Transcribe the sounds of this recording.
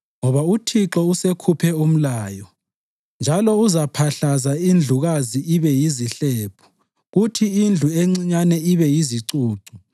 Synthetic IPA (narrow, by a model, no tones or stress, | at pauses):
ŋɔβautʰiǁɔusekʰupʰɛum̩laːjɔ | nd͡ʒʱalɔuzapʰaɬazaind͡ɮʱuɣaziiβɛjiziɬɛːpʰu̥ | ɣutʰiind͡ɮʱueŋ͡ǀiɲanɛiβɛjiziǀuːǀu